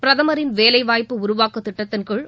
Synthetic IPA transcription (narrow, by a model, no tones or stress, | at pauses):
pɪɾɐðɐmɐɾɪnʋeːlɐɪʋaːjpːɯʊɾʊʋaːkɯt̪ːɪʈːɐt̪ːɪnkɯɭ